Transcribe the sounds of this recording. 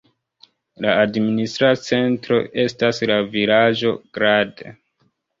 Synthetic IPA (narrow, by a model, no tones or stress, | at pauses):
laːdministɾat͡se̞ntɾo̞̰ʔe̞staslavilad͡ʒo̞ɡ̥ɾadḛ